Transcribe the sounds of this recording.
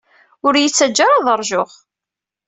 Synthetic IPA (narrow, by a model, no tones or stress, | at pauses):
ʊɾjət͡sːæd͡ʒːaɾɑðˤəɾˤʒʊʁ